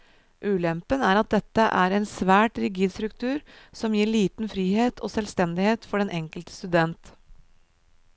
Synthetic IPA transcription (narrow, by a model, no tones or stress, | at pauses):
ʔʉːlɛmpənæːɾɑt̪̚d̪ɛt̪ːəʔæːɾɛɪnsʋæːʈɾɪɡiːd̪st̪ɾʉkt̪ʰʉːɾsɔmjiːɭiːt̪n̩fɾiːheːt̪ʰoːsɛlst̪ɛnd̪ɪheːt̪fɔɖɛnʔɛŋkəlt̪ə̥st̪ʉd̪ɛnt̪